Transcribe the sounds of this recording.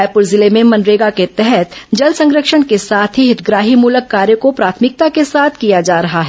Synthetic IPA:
jpʊɾzɪlemẽmɐ̃nɾeːɡaket̪ɛɦɛt̪d͡ʒɐlsɐ̃ŋɡɾəkʃəɽ̃kesaːt̪ʰɦiɦɪt̪ʰɡɾaːɦimuləkːaːɾjəkopɾaːt̪ʰmɪk̚t̪akesaːt̪ʰkijad͡ʒaːɾɐɦaɦɛ

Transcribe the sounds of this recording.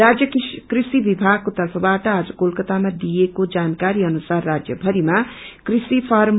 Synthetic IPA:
ɾad͡zjʌkkrisibibʱaɡ̚kot̪ʌrpʰʌbaʈʌad͡zʌkolkʌt̪amad̪ijekod͡zankaɾiʌnusarːad͡zjʌbʱʌɾimakrisipʰʌɾm

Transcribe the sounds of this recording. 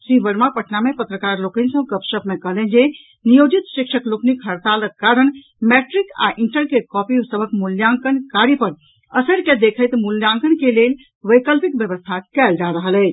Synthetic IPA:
siʋəɾmapəʈʰnamepət̪ɾəkaɾlokənsə̃kəpsəbmekəɦlɛ̃nd͡ʒe | nijod͡ʒit̪ʃikʃəkloknikɦəɾt̪aləkːaɾən | mɛʈɾika̰ʔiɳʈəɾkekɔpisəbʱəkmuljãŋkənkaɾipəɾ | əsəɾked̪ekʰəjt̪muljãŋkənkelel | ʋəjkəlpik̚bjəβəst̪ʰakɛld͡ʒaɾəɦəlɛt͡ʃ

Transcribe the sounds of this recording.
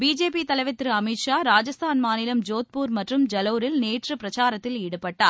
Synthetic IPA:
biːd͡ʒeːpit̪ɐlɐʋɐt̪ːɾɯɐmɪʈʂaːɾaːd͡ʒɐst̪ʰaːnmaːnɪlɐmd͡ʒoːt̪̚puːɾmɐʈrɯmd͡ʒɐlɐːɾɪlneːʈrɯpɾɐt͡ʃaːɾɐt̪ːɪliːɽɯpːɐʈːaːɾ

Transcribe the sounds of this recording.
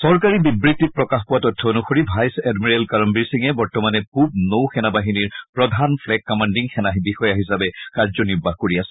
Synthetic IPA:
sɔɹkaɹibibɹitːit̚pɹɔkaxpʊwatɔtʰːɔonuxoɹibʱajsɛdmiɹɛlkaɹɔmbiɹsiŋɛbɔɹtɔmanɛpup̚nowxɛnabaɦiniɹpɹɔdʱanpʰlɛkːɔmandiŋxʰɛnaɦibixɔjaɦisabɛkaɹzɔniɹbʱaɦkoɹiasɛ̥

